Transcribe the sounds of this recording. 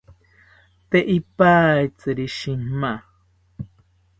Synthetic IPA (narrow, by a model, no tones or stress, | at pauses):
t̪eʔipait͡sɨɾiʃima